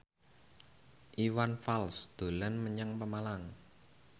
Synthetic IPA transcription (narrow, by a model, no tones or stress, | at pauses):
ʔiwanfalsd̪̥o̤lənməɲəŋpəmalaŋ